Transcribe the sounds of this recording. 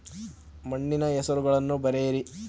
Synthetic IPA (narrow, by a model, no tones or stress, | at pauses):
mɐɳːinɐɛsɐɾuɡɐɭɐnːubɐɾeːɾi